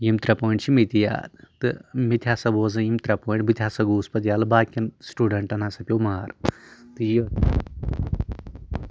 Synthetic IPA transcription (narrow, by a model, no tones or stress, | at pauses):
jimt̪ɾɐpoːɳt͡ʃʰimit̪ija̰ːt̪t̪ɨmit̪ʰʲjasɐboːzɐ̃jimt̪ɾɐpoːɳʈbɨt̪ʰʲjasɐɡuːspɐt̪jaːlɨbaːkʲɐnsʈuːɖɐɳʈɐnasɐpʲowmaɾt̪ɨji